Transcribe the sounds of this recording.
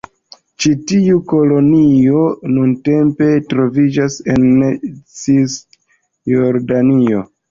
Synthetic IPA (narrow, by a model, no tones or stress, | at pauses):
t͡ʃitiuko̞lo̞nio̞nunte̞mpe̞tɾo̞vid͡ʒase̞nt͡sis | joɾdanio̞